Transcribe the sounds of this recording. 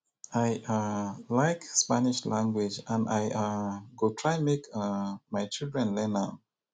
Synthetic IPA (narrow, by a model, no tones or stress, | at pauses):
ajalaɪkspaniʃlãŋɡwɪd͡ʒãnajaɡotʰɹaɪmekmaɪt͡ʃilˠdɹɛ̃nlɛna